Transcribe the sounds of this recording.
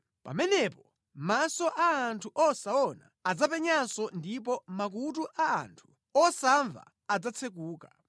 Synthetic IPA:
pa̰mɛnɛpɔ | masɔʔaːntʰuʔɔsaɔna̰ad͡zapɛɲansɔndip̬ɔmak̬ut̬uʔaa̰ntʰu̥ | ɔsaɱva̰ːd͡zat͡sʰɛk̬uːka

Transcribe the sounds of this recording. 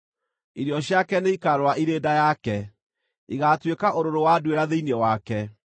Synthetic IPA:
iɾjɔɕjakɛneikaɾwaʔiɾeːdajakɛ | iɣatwekaʔoɾoɾowadweɾaðeinewakɛ

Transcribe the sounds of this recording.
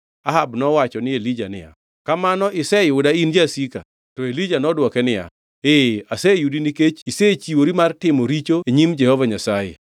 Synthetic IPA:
aɦabnɔwat͡ʃɔnɪelid͡ʒanɪ̰ja̰ | kamanɔʔɪsɛɪʊdaind͡ʒasika̰ | tɔelid͡ʒanɔdwɔkɛnɪja̰ | easejudiniket͡ʃiset͡ʃiwoɾimartɪmɔɾit͡ʃoeɲimd͡ʒɛhɔvaɲasajḛ

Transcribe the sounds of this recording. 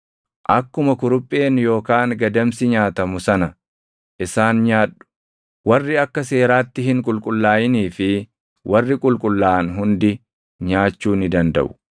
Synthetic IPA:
ʔɐkːʊmɐkʊɾʊpʼːe̞ːnjo̞ːkaːŋɡɐd̪ɐmsɪɲaːt̪ɐmʊsɐnɐ | ʔɪsaːnɲaːᶑːʊ̥ | wɐrːɪɐkːɐse̞ːɾaːt̪ːɪhɪŋkʼʊlkʼʊlːaːjɪniːfɪ | wʔɐrːɪkʼʊlkʼʊlːaːnɦʊnd̪ɪ | ɲaːt͡ʃːuːnɪd̪ɐnd̪ɐ̰ʔʊ̥

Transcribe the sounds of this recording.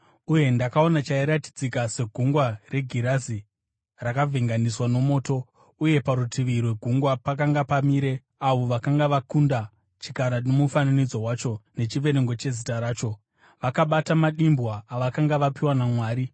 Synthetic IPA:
uje̞ndakao̞nat͡ʃaiɾati̥d͡zikase̞ɡʱuŋɡware̞ɡʱiɾazi | rakavʱeŋɡaniswano̞mo̞ːto̞ | uje̞paɾutʰiʋirwe̞ɡʱuŋɡwapak̬aŋɡapamiːɾe̞ | aʋo̞ʋakaŋɡaʋakunda | t͡ʃi̥kaɾanomufananid͡zo̞wat͡ʃo̞ne̞t͡ʃiʋe̞ɾe̞ŋɡo̞t͡ʃe̞zitaɾaːt͡ʃo̞ | ʋakaɓatamaɗimbwaːʋakaŋɡaʋapiwanamwaːɾi

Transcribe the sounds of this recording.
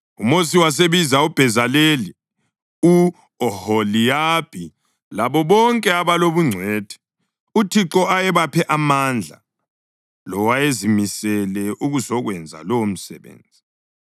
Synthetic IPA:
umos̬iwas̬eβizaub̥ʱɛzaleli | u | ɔholijab̥ʱi | laβɔβɔŋkʼɛaβaloβuŋ͡ǀʱwɛːd̥ʱɛ̥ | utʰiǁɔajɛβapʰɛʔamand͡ɮʱa̰ | lɔwajezimisɛlɛʔuɣuzɔɣwɛnd͡zʱa̰lɔm̩sɛ̰βḛːnd͡zʱi

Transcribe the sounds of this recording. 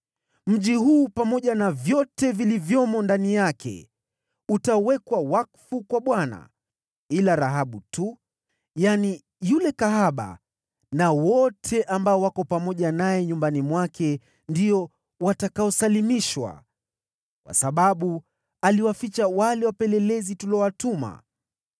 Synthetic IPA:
m̩ʄihuːpamɔʄanavjɔtɛvilivjɔmɔndanijakʰɛ̰ | utawɛkwawakfukwaɓwana̰ | ilaɾaɦaɓutu | jani | julɛkaɦaɓa̰ | nawɔtʰɛʔambaɔwakɔpamɔʄanajɛɲumbanimwakʰɛ | ndiɔ | watakaɔsalimiʃwa̰ | kwa̰saɓaɓu | aliwafit͡ʃawalɛwapɛlɛlɛzitulɔwatuma̰

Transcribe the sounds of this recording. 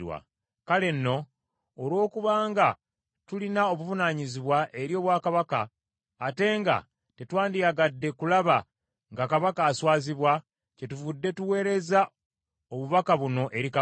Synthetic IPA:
wa̰ | kale̞nːo̞ː | lwo̞ːkuβaːŋɡa | tulinao̞βuvunaːɲiziβwaʔe̞ɾjo̞ːβwaːkaβakaː | te̞ːŋɡa̰ | te̞twaːndijaɡadːe̞kulaβa | ŋɡakaβakaːswaːziβwa | ce̞tuvudːe̞tuwe̞ːɾe̞za | oβuβakaβuno̞ʔe̞ɾika

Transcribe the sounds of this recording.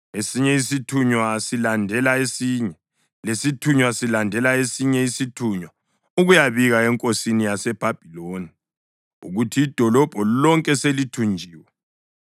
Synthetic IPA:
esiɲɛisitʰuɲwasilandʱɛlaesiːɲɛ | lesitʰuɲwasilandʱɛlaesiɲɛisitʰuɲwa | uɣujaβiɣaɛŋkʼosinijasɛb̥ʱab̥ʱiloːni | uɣutʰiːd̥ʱɔlɔb̥ʱɔlɔŋkʼɛselitʰund͡ʒʱiːwɛ

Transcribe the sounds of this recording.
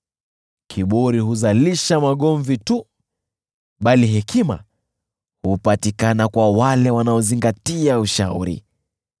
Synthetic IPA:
kʰiɓɔɾihuzaliʃamaɠɔɱvitu | ɓaliɦɛkʰima̰ | hupatikanakwawalɛwanaɔziŋɡatiauʃaṵɾḭ

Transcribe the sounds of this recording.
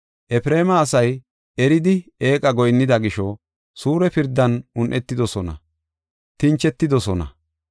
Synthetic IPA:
ʔɛfɾe̞ːmɐːsɐj | ɛɾɪd̪ɪeːkʼɐɡɔjnːɪd̪ɐɡɪʃɔ | suːɾɛpɪɾd̪ːɐnʊnʔɛt̪ːɪd̪ɔsɔnɐ̰ | t̪ɪnt͡ʃːɛt̪ːɪd̪ɔsɔnɐ̰

